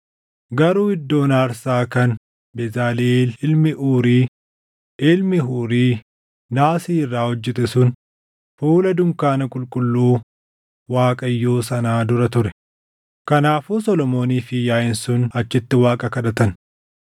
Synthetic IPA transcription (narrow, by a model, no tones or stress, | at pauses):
ɡɐɾuːɪd̪ːo̞ːnaːɾsaːkɐn | bɛzaːlilɪlmɪʔuːɾiː | ɪlmɪɦuːɾiː | naːsiːɪrːaːhɔd͡ʒːɛt̪ɛsʊn | fuːlɐd̪ʊŋkaːnɐkʼʊlkʼʊlːuː | waːkʼɐjːoːsɐnaːd̪ʊɾɐt̪ʊɾɛ | kɐnaːfuːsɔlɔmo̞ːniːfɪjaːjɪnsʊnɐt͡ʃːɪt̪ːɪwaːkʼɐkɐd̪ɐt̪ɐn